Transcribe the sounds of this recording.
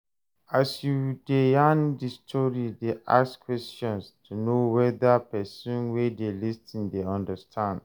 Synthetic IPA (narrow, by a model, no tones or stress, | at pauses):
asjudeãndistʰɔɹideʔa̰skʰwɛstɔ̃nstʰunowɛðapɛsũnwedelistĩndeɔ̃ndastʰãnd